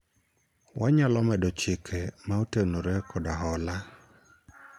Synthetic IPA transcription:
waɲalɔmɛdɔt͡ʃɪkʰɛmaotenoɾekʰɔdaɦɔla

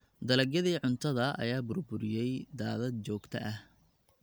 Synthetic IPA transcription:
d̪ɐlɐɡɐðiːʕʊnt̪ʰɐðɐɐ̰jaːbʊrbʊɾɪjɛjd̪aːðɐd̪̚t͡ʃɔːɡt̪ʰɐʔɐh

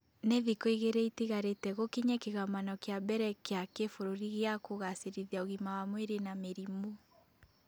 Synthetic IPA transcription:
neðikɔiɣeɾeitiɣaɾetɛɣokiɲakeɣamanɔkeabɛɾɛkeakefoɾoɾiɣeakoɣaseɾiðiaoɣimawamweɾenameɾimu

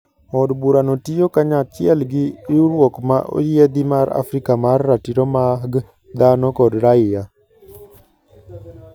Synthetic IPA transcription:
ɔdbuɾanotijokaɲat͡ʃɪɛlɡɪjuɾwɔkmaʔo̰jɛd̪ɪmaɾa̰fɾikamarːatiɾomaɡ | d̪anɔkɔdɾaɪja

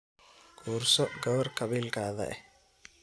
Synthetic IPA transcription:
kʰuːrsɔɡɐβɐrkʰɐβiːlkʰaːðɐ̰ʔɛh

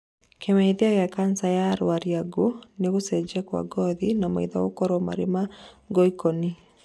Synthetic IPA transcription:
kʰemɛiðiaɣɛakansajaɾwaɾiaɡoneɣosɛd͡ʒɛkwa̰ɡɔðinama̰iðaokɔɾɔma̰ɾema | ɡɔikɔni

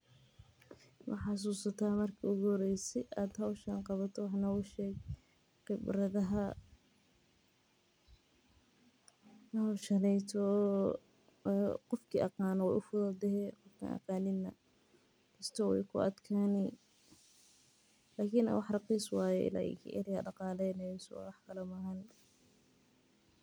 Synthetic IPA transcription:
mɑ̰ħɑs̬uːsɐt̪ʰaːmɐrkʰiʊɡɔːɾɛjsɛjʔaːd̪hɐwʃɐŋqɑβɐt̪ʰɔwɑħnɐʊʃɛːɡ | qɪbɾɐðɐɦɐ | nhɐwʃɐnɛjt̪ʰɔ | qɔfkʰiːʔɑqɑːnɔwɛʔʊfʊðɐd̪ɛɦɛːqɔfkʰɐ̰nʔɑ̰qɑːnɪnːɐ̰ | kʰɐst̪ʰɔwɛ̰jkʰʊɐ̰d̪kʰaːni | laːkʰin̰wɑħrɑqiːswɑːjɛ̰ʔɪ̰la̰ːʔɛ̰kʰɐ̰ʔɐ̰ɾɪɐɖɑqɑːlɛjnɛjɔsɔ̰wɑħkʰɐlɐmɐɦɐn

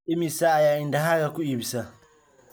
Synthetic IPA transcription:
imisajaindaɦaɡakuibsa

